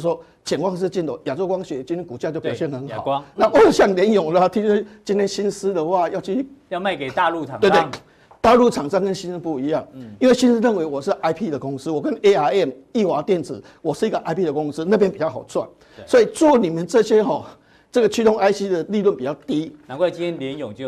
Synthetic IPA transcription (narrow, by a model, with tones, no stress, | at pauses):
s̬wɔ˥ | t͡ɕjɛ˨˩nkwa˥˧ŋʂ̬ɻ̩˥˧t͡ɕi˥˩nt̪o˨˩ja˨˩t͡so˥ʊkwɑ˥ŋɕɥɛ˨˩˦t͡ɕi˥nt̪ʰɛ˥nku˨˩t͡ɕja˥˧t͡ɕo˥˩ʊpɑ˨˩ɕɛ˥˩nxə˧˦nxɑ̰˨˦na˥˧˨wɔ˥˨˩ɕjɑ˥˩ŋljɛ˧˥njɔ˨˩ŋlə˧t̪ʰi˥ŋ˥˩t͡ɕi˥nt̪ʰjɛ˥nɕi˦ns̩˦d̪ə˨wa˥˧jɑ˥˧ʊt͡ɕʰy˥jɑ˥˧ma˥˩ɪke˨˩t̪a˥˧lu˥˨a˨˩e˥˩e˧˥˦ | t̪a˥˧lu˥˩ʈ͡ʂʰa˨˩ŋʂa˥ŋkə˦nɕi˦ns̩˥pu˥˩i˧˦ja˥˩ŋi˥nwe˥˩ɕi˥˦ns̩˥ɻə˥˨nwe˧˥ɪwɔ˨˩ʂɻ̩˥˧ʔa˥ɪpʰi˥˧d̪ə˨kʊ˦ŋs̩˧˦wɔ˨˩kə˦ne˦a˥ɛ˥˩m | i˥˩xwa˨˧˦t̪jɛ˥˨nt͡sɹ̩˨˦ | wɔ˨˩ʂɻ̩˥˩i˧˦ɡə˨ʔa˧˥ɪpʰi˥d̪ə˨˩kʊ˧˦˥ŋs̩˦na˥˧p̬jɛ˦npi˨˩t͡ɕja˥˩ʊxa˨˩ʊt͡swa̰˥˨˩n | swɔ˧˦˥i˨˩t͡swɔ˥˩ni˨˩mə˨nt͡sɤ˥˧ɕjɛ˦xɔ˨ | t͡sɤ˥˩ɡə˩t͡ɕʰy˥˧t̪o˥˧ŋʔa˥ɪɕi˦d̪ə˨li˥˧lwə˥˩npi˨˩t͡ɕja˥˨ʊt̪i˦na˨˦kwa˥˩t͡ɕi˦nʰjɛ˥nljɛ˨˧˦njo˨˩ŋt͡ɕjo˥˧˨